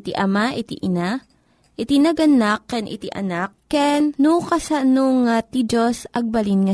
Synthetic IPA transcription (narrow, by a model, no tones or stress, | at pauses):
t̪iʔɐmaʔɪt̪ḭʔɪna | ʔɪt̪inɐɡɐnakːɛnʔɪ̰t̪ḭʔɐ̰nak̚ːɛnnukɐsanoŋat̪id͡ʒosʔɐɡ̚bɐlinŋɐ